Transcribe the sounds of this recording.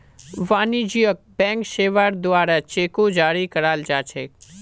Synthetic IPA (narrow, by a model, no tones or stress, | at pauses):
ʋaːnid͡ʒijək̚bɛ̃ːŋkʃeːʋaɾd̪ʊaːɾat͡ʃeːkod͡ʒaːɾikəɾaːld͡ʒaːt͡ʃʰeː